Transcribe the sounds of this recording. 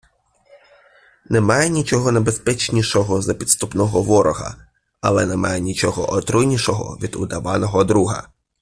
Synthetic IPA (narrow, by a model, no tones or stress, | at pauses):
nɛmɑjɛnʲit͡ʃɔɦɔnebespɛt͡ʃnʲiʃɔɦɔzɐpʲit̪st̪upnɔɦɔʋɔɾɔɦɐ̰ | ɐlˠɛnɛmɑjɛnʲit͡ʃɔɦɔʔɔt̪ɾʊnʲiʃɔɦɔ̰ʋʲid̪ʊ̰d̪ɐʋɑnɔɦɔd̪ɾuɦɐ̰